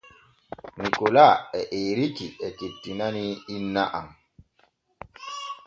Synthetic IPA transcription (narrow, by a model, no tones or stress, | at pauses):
nikulaɛʔeːɾitiɛtetːinaniːnːaʔa̰m